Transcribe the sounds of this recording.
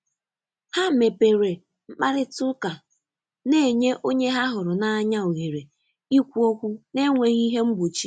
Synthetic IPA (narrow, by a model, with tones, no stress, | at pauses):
ha˦˨me˨pe˨ɾe˨ | ŋ͡m̩˦k͡pa˦ɾɪ˦tʊ˦ka˨ | ne˦˨ɲe˦ʔo˦ɲe˦ɦa˦ɦʊ˨ɾʊ˨na˦a˦ɲa˦o˨ɣe˨ɾe˨ | i˦kʷu˦o˦kʷu˦ne˦ŋʷe˨ɣi˦ɦe˦m̩˦bu˨t͡ʃi˦